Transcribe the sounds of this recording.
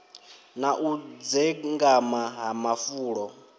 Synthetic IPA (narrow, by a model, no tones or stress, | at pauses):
naʔud͡zɛŋɡamaɦamafuːɺɔ